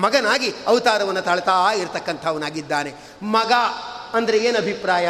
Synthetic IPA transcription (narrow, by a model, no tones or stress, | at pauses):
mɐɡɐnaːɡiɐʋt̪aːɾɐʋɐnːɐt̪ɐɭɐt̪aːiɾt̪ɐkːɐnt̪ʰɐʋɐnaːɡid̪ːaːne̞ | mɐɡaɐnd̪ɐɾeeːnɐbʱipɾaːjɐ